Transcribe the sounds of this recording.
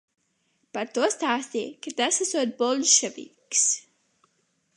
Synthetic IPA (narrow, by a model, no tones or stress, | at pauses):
paɾt̪uɔst̪aːst̪ʲiːkat̪asasuɔt̪̚bɔlˠd̪ʃɛvḭks